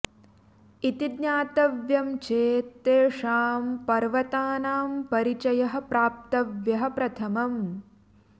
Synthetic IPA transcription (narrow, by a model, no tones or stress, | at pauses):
it̪id̪ɲaːt̪ɐʋjɐmt͡ʃʰeːt̪eːʂaːmpɐɾʋɐt̪aːnaːmpɐɾit͡ʃɐjɐɦɐ̆pɾaːp̚t̪ɐʋjɐɦɐpɾɐt̪ʰɐmɐm